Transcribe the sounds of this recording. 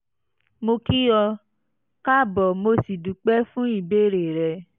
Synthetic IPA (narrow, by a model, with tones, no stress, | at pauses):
mo˧ki˦jɔ˧ | ka˦˨bɔ˨mo˧si˨du˨˦k͡pɛ˦fũ˦i˦˨be˦˨ɾe˨ɾɛ˧˨